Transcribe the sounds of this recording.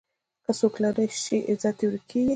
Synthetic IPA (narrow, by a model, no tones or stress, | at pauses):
kasoklaɾəʃiʔɪzɑt̪iwɾkij